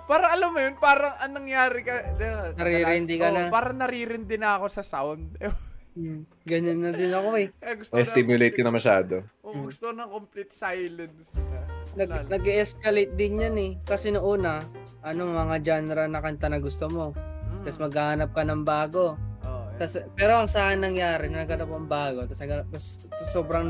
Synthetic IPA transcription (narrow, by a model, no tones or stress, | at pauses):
paːɾɐŋɐlamːojonpaːɾɐŋʔɐŋnɐŋjaːɾɪkɐd̪ɛnɐɾiɾɪɪnd̪ɪkɐnɐpaːɾɐŋnɐɾiɾɪnd̪ɪnɐɐko̞sɐsawnd̪̚ | ɡɐnonːɐd̪ɪnɐko̞ɛɡʊst̪ɪst̪imjʊlejt̪̚kɐnɐmɐʃa̰ːd̪oʊŋɡʊst̪oknɐŋkomplit̪sajlɐnsnɐɡnɐɡɛʔɛskɐlejt̪̚d̪ɪnjanɛkɐsɛnɐʔuːnɐʔɐno̞ŋmɐŋad͡ʒanɾɐnɐkɐnt̪ɐnɐɡʊst̪omo̞ɐsmɐɡaːhɐnɐp̚kɐnɐŋbaːɡo̞ot̪ɐspɛːɾo̞ɐŋsaːkɪnːɐŋjaːɾɪnɐnɐɡ̚ɐnɐpɐŋbaːɡo̞t̪ɐsɐɡɐt̪ɐs | t̪ɐso̞ːbɾɐŋ